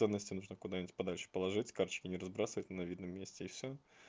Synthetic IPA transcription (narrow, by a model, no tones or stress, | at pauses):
ɛnːəsʲtʲɪnuʐnəkʊd̪anʲɪtʲpɐd̪alʲʂɨ̥pəlˠɐʐɨtʲkart͡ɕɪ̥kʲɪnʲɪɾɐzbɾasəvətʲnɐvʲid̪nəmːʲesʲtʲɪːfsʲo